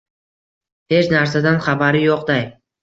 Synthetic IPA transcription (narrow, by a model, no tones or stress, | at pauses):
het͡ʃnaɾsad̪anχabaɾɪjoqd̪aj